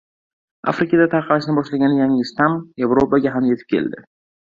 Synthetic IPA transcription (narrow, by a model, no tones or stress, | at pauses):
a̰fɾɪkad̪at̪ʰaqʰɑlaʃɪnɪbɒʃlaɡʲanɪjaŋːst̪amje̞vɾopaɡʲaɦamje̞t̪ʰɪ̥p̚kʲʰe̞̰ld̪ɪ̰